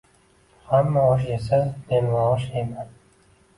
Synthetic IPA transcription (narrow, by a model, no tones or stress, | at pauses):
hamːaoʃ̬esamenvaʁʃeman